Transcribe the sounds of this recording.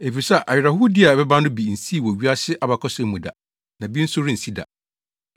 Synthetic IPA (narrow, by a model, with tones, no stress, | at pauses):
e˨fi˨sa˨ʔa˨ɪ˨ɾa˨hʊ˦dɪ˦a˨bɛ˦bã˦nʊ̃˦bi˨n̩˨si˦˨wɔ˨ɥi˦a˦ɕɪ˦ʔa˨ba˨kʰɔ˦sɛ˦mũ˨da̰˨ | nã˨bi˦n̩˦sʊ˦ɾi˦n̩˨si˦da̰˨